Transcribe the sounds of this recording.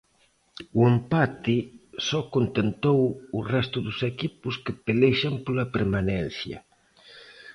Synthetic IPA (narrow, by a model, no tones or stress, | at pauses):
uempat̪ɪsɔkont̪ent̪owurɛst̪ʊðʊsekipʊskɪpeleʃampolɐpeɾmanɛn̟θjɐ̰